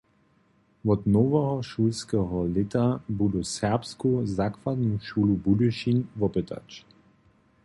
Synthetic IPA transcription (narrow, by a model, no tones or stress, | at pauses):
ʋɔt̪nɔʋɔɦɔʃuːlskɛɦɔlɪtabud̪usɛʁpskuzakʋad̪nuʃuːlubuduʃinʋɔpɛt̪ʰa̰t͡ʃ